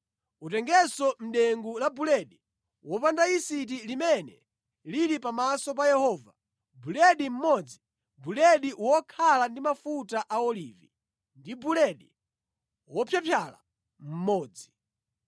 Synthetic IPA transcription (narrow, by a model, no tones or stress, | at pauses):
utɛŋɡɛsɔm̩ɗɛŋɡulabulɛɗi | wɔpandaisit̬ilimɛnɛ | liɾipamasɔp̬ajɛhɔva | bulɛɗim̩mɔd͡zi | bulɛɗiwɔkʰalandimafutaʔaɔlivḭ | ndibulɛɗi | wɔpʰjapʰjala̰ | m̩mɔːd͡zi